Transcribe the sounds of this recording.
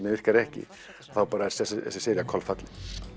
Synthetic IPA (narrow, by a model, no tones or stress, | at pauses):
t̪nɪvɪr̥kaɾɛhcɪ̰ | ḁθawpaːɾaɛɾ̥sɛsɛ̰ssɪːɾjakʰɔlfat̪lɪ